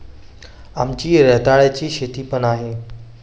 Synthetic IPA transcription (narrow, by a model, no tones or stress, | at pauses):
amt͡ɕiːɾɛɦt̪aɭjat͡ɕiːɕet̪iːpənaɦe